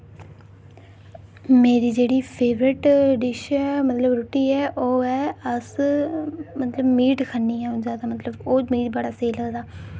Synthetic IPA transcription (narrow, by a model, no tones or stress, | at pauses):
meːɾiːd͡ʒeːɽiːpʰeːʋɾɪʈɖɪʃmət̪ləbɾʊʈiːɛːʔoːɛːəs | mət̪ləbmiːʈkʰənːiːɛːoːzjaːd̪aːmət̪ləboːmiːʈbəɽaːseːləɡd̪aː